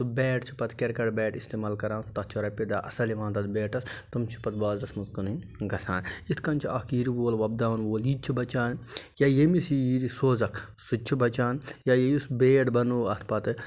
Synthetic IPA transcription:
t̪ubɛːʈt͡ʃʰi̥pɐt̪keɾkɐɽbɛːʈist̪eːmaːlkɐɾaːnt̪ɐt̪t͡ʃʰɐɾɐpid̪aːʔɐsɐliʋãːnt̪ɐt̪beːʈɐst̪ɐmt͡ʃʰi̥pɐt̪̚baːd̪ɾɐsmuzkɐnɨn | ɡɐsaːnit̪kɐnt͡ʃʰiɐkiːɾiʋoːlʋɐb̚d̪aːwnʋoːliːt͡ʃʰibɐt͡ʃaːnjaːjemisijiɾisoːzɐkʰsut͡ʃʰibɐt͡ʃaːnjajejusbeːʈbɐnuːɐt̪ʰpɐt̪

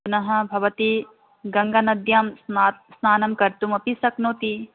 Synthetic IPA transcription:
unɐɦɐ̆bʱɐʋɐt̪i | ɡɐŋɡɐnɐd̪jɐmssnaːnɐmkɐɾt̪umɐpisɐknoːt̪i

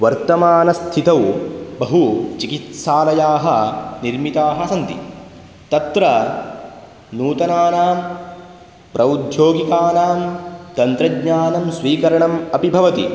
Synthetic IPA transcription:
ʋɐɾt̪ɐmaːnɐst̪ʰit̪ɐwbɐɦut͡ʃikit̪ʃaːlɐjaːɦɐniɾmit̪aːɦɐsɐnt̪ḭ | t̪ɐt̪ɾɐ | nuːt̪ɐnaːnaːm | pɾʔɐud̪ʱjoːɡikaːnaːmt̪ɐnt̪ɾɐɡɲaːnɐmsʋiːkɐɾɐɳɐmɐpibʱɐʋɐt̪i

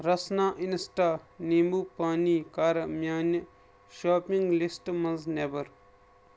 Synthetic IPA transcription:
ɾɐsnaːʔinsʈaːniːmbuːpaːniːkaɾɐmʲjaːnə | ʃaːpiŋɡlisʈmɐnznebɐɾ

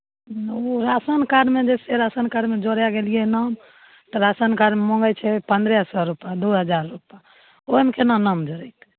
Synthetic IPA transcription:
oɾasənkaɾmed͡ʒɛseɾasənkaɾmed͡ʒoɾjaɡelijenam | t̪ɔɾasənkaɾmemɔ̃ŋɡɛt͡ʃʰɛpənd̪ɾɛɦsɔɾupjad̪uɦəd͡ʒaɾːupa | omekenanamd͡ʒoɾɛjt̪ʰ

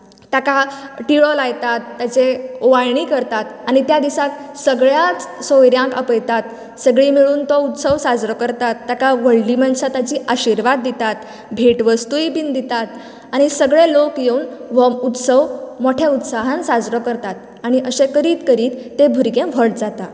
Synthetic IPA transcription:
t̪jakaʈiɭɔlajt̪at̪ːjat͡seoʋajɳiːkəɾt̪at̪aɽ̃it̪jad̪isak | səɡɭjat͡ssojɾjãŋkə̰pəjt̪at̪ | səɡɭimiɭuːnt̪ɔut̪səʋsad͡zɾɔkəɾt̪at̪ːakaʋəɭlimənsat̪at͡ɕiːʔaɕiɾʋad̪ːit̪at̪ | bʱeʈʋəst̪uibind̪ʱit̪at̪ | aɽ̃isəɡɭelokjeuːnʋɔut̪səʋmoʈʰeut̪saɦãnsad͡zɾɔkəɾt̪at̪̚ | aɽ̃iʔəɕekəɾiːt̪kəɾiːt̪ːebʱuɾɡẽʋʱəʈd͡zat̪a

